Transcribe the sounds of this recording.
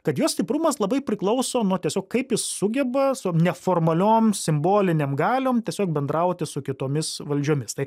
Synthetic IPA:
kɐt̪joːsʲt̪ʲɪpɾʊmɐslˠɐbɐɪpʲɾʲɪklˠɐʊsoːnuɔt̪ʲiɛsʲoːkkɐɪpjɪsːʊɡʲɛbɐsʊnʲɛfoːrmɐlʲoːmsʲɪmboːlʲɪnʲemɡɑːlʲoːmt̪ʲiɛsʲoːk̚bʲɛnd̪ɾɐʊt̪ʲɪsʊkʲɪt̪oːmʲɪsʋɐlʲd͡ʒʲoːmʲɪst̪ɐɪ

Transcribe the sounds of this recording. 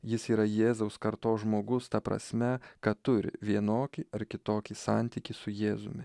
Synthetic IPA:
jɪsiːɾɐjeːzɐʊskɐɾt̪oːʒmoːɡʊst̪ɐpɾɐ̰sʲmʲɛkɐt̪ʊɾʲɪ̰ʋʲiɛnoːkʲiʔɐɾkʲɪt̪oːkʲisɑnʲt̪ʲiːkʲisʊjeːzʊ̰mʲɪ

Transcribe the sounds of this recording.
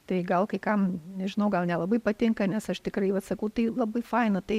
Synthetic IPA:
t̪ɐɪɡɐlˠkɐɪkɐmnʲɛʒʲɪnɐʊɡɐlˠnʲɛlˠɐbɐɪpɐt̪ʲɪŋkɐnʲɛsɐʃt̪ʲɪkɾɐɪʋɐt̪sɐkɐʊt̪ɐɪlˠɐbɐɪfɐɪnɐt̪ɐɪ

